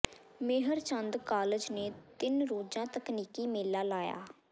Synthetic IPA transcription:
mɪːɦəɾt͡ʃənd̪kaːləd͡ʒneːt̪ɪnɾoːd͡ʒãːt̪əkniːkiːmeːlːaːlaːja̰ː

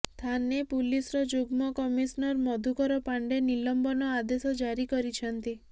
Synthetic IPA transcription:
st̪ʰanepulisɔɾɔd͡ʒuɡmɔkɔmisɔnɔɾmɔd̪ʱukɔɾɔpaɳɖenilɔmbɔnɔad̪esɔd͡ʒaɾikɔɾit͡ʃʰɔnt̪i

